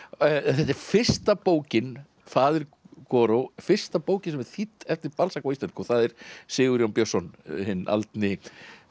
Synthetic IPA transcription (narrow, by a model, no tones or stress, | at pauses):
θɛt̪̬ːɛɾ̥fɪr̥st̪apoːwcɪn | faːðɪɾkɔɾowfɪr̥st̪apoːwcɪnsɛmɛɾθit̪ːɛft̪ɪɾpalsakɔist̪ɛnskɔθaðɛɾ̥sɪːɣʏɾjɔwnpjosɔnhɪnːʔa̰lt̪nɪ